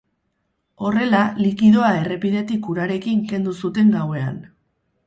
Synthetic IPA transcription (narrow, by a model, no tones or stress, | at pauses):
o̞re̞lalikið̞o̞ae̞re̞piðe̞t̪ikuɾaɾe̞kiŋke̞nd̪usut̪e̞ŋɡawe̞a̰n